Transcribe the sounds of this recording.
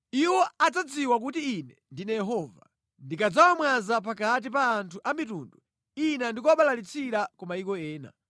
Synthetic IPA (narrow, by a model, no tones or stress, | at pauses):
iwɔad͡zad͡ziwak̬utiːnɛndinajɛɦɔva̰ | ndikad͡zawamwazap̬akat̬ipaːntʰuʔamitundu | inandikɔwaɓalalit͡sʰiɾakɔmaikɔɛːna̰